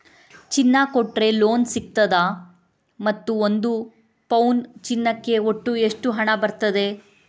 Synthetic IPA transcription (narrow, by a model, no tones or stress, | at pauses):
t͡ʃinːɐkoʈːɾe̞loːnsik̚t̪ɐd̪ɐ | mɐt̪ːuond̪u | pɐwnt͡ʃinːɐkːe̞oʈːueʂʈuɦɐɳɐbɐɾt̪ɐd̪e̞